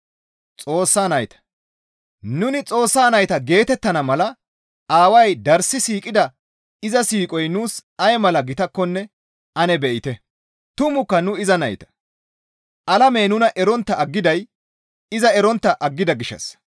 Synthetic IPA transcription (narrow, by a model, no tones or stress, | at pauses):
t͡sʼo̞ːsːaːnɐjt̪ɐ̥ | nʊnɪt͡sʼo̞ːsːaːnɐjt̪ɐɡe̞ːt̪ɛt̪ːɐnɐmɐlɐ | aːwɐjd̪ɐɾsɪsiːkʼɪd̪ɐ | ɪzɐsiːkʼɔjnuːsɐjmɐlɐɡɪt̪ɐkːɔnːɛ | ɐnɛbɛʔɪt̪ɛ | t̪ʊmʊkːɐnʊɪzɐnɐjt̪ɐ̥ | ʔɐlɐmɛjnʊnɐʔɛɾɔnt̪ːɐɐɡːɪd̪ɐj | ɪzɐɛɾɔnt̪ːɐʔɐɡːɪd̪ɐɡɪʃːɐ̰s